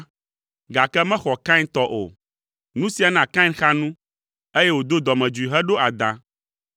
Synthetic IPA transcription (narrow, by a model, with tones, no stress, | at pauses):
ɡa˨kɛ˦mɛ̃˦xɔ˨kã˦nt̪ɔ˦ʔo̰˨ | nũ˦si˨a˨nã˨kã˦xa˦nũ˦ | e˦je˦wo˨d̪o˦d̪ɔ˨mɛ̃˨d͡ʒu˨i˨ɦɛ˦ɖo˦a˨d̪ã̰˨